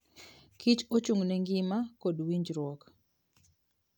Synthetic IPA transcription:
kit͡ʃot͡ʃuŋnɛŋɡimakodwiɲd͡ʒɾwɔk

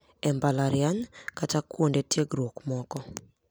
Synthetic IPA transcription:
ɛmbalaɾjankatakwondetjeɡɾokmɔkɔ

